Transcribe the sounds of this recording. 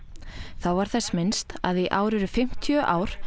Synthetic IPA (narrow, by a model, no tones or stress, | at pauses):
θawvaɾ̥θɛsːmɪnst̪a̰ðiʔaːwɾɪɾʏfɪm̥t̪ʰjœʔaːwɾ̥